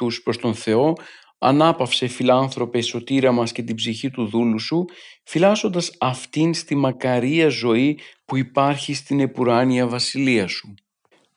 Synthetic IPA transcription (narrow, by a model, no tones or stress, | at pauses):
uspɾo̞st̪o̞nθe̞o̞ | ɐ̰nɐpɐfsefilɐnθɾo̞pe̞so̞t̪iɾɐmɐsce̞t̪ibziçit̪uðulusufilɐzo̞nd̪ɐsɐft̪inst̪imɐkɐɾiɐzo̞ipuipɐɾçist̪ine̞puɾɐniɐvɐsiliɐsu